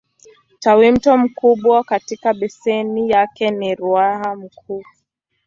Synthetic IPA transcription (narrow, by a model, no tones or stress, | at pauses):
tawim̩tɔm̩kuɓwakatikaɓɛsɛnijakɛniɾuaham̩kʰuː